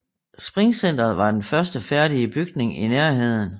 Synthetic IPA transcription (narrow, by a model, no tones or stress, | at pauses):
sb̥ʁiŋsen̰d̥ɐð̩ˠʋɑ̈d̥enfɶɐsd̥əfæɐ̰ɾ̥iəb̥yɡ̥ne̝ŋineɐɦe̝ð̞̰ˠn̩